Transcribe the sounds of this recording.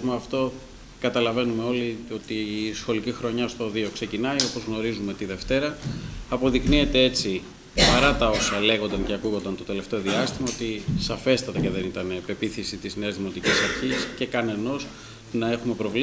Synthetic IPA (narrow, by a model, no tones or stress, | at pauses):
moɐft̪o̞ | kɐt̪ɐlɐve̞nume̞o̞lio̞t̪isxo̞licixɾo̞ɲɐst̪o̞ðio̞kse̞cinɐio̞po̞zɣno̞ɾizumeot̪iðe̞ft̪e̞ɾɐːpo̞ðiknie̞t̪ee̞t͡si | pɐɾɐt̪ɐo̞sɐle̞ɣo̞nd̪ɐŋceɐkuɣo̞nd̪ɐnt̪o̞t̪e̞le̞ft̪eo̞ðiɐst̪imɐo̞t̪isɐfe̞st̪ɐt̪ɐce̞ðe̞nit̪ɐne̞pe̞piθisit̪izneezðimo̞t̪icisɐɾçisce̞kɐne̞no̞s | nɐe̞xume̞pɾo̞v